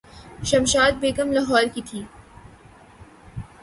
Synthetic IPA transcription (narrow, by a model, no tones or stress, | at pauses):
ʃɐmʃaːd̪̚beːkəmlaɦɔːɾkit̪ʰiː